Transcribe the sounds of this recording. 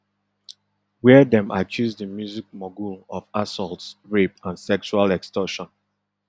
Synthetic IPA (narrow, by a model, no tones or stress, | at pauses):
wɛdɛ̃mʔa̰t͡ʃʰuzdəmjuzik̚mɔɡulɔfasɔltsɹepãnsɛkt͡ʃualɛkstɔʃɔ̃n